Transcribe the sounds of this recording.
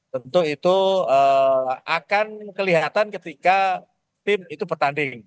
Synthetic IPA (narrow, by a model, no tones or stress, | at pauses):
t̪ənt̪uit̪uəːakankəliɦat̪ankət̪ika | t̪ɪmit̪upərt̪andɪŋ